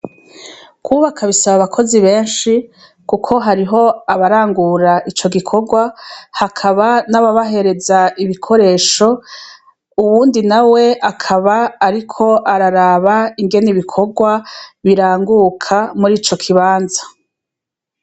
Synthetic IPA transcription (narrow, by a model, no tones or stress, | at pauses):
kuːβakʰaβisaβaβakʰo̞ziβe̞ːnʃi | kukʰo̞ɦaɾiɦo̞aβaɾaːŋɡuɾaʔit͡ʃo̞ɡikʰo̞ɡwahakʰaβanaβaβaɦe̞ɾe̞zaiβikʰo̞ɾe̞ːʃo̞ | uβuːndinawe̞ʔakʰaβaːɾikʰo̞ʔaɾaɾaːβaiŋɡe̞niβikʰo̞ɡwaβiɾaːŋɡukʰamuɾiːt͡ʃo̞kʰiβaːnzḁ